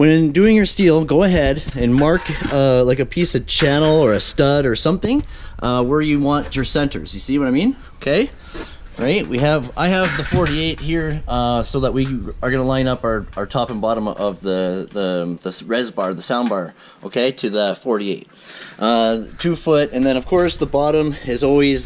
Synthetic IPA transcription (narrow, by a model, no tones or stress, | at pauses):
wɨ̃nɨ̃ndʉɪ̃ŋjə˞stilˠɡoʊəɦɛɾɨ̃nmɑɹklaɪkɨpʰisʌv̥t͡ʃʰænl̩ˠə˞ɨstʌɾə˞sʌ̃mθɪ̃ŋʔʌwə˞jɨwɑ̃nt͡ʃə˞sɛ̃ntə̰˞zjɨsiwʌɾaɪ̃mĩn | oʊkʰeɪ | ɹaɪt̚wiɨva̰ɪəvðəfɔɹɾieɪt̚hiɹʌsoʊðət̚wiə˞ɡʌnəlãɪ̃nʌpə˞aʊə˞tʰɑpɨ̃n̩bɑɾə̃mʌvðəðəðəɹɛzbɑɹðəsãʊ̃nbɑɹ | oʊkʰeɪɾʰɨðɨfɔɹɾieɪt̚ʔʌtʰʉfʊtɨ̃nðɨ̃ñʌv̥kʰɔɹsðəbɑɾə̃mɪzɔlˠwiz